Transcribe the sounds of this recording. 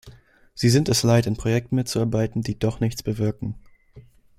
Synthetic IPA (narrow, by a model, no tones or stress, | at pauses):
z̥iːzɪntɛslaɪtɪnpʁ̥ojɛk̚tn̩mɪtt͡suaɐbaɪtn̩diːdɔχnɪçt͡sb̥əvɪɐkŋ̩